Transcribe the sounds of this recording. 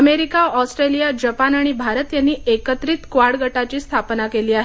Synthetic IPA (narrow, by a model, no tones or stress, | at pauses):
əmeɾikaɔsʈɾelijad͡ʑəpanaɽ̃ibʱaɾət̪janːiːekət̪ɾiːt̪kʋaɾɽɡəʈat͡ɕiːst̪ʰapnakeliːaɦe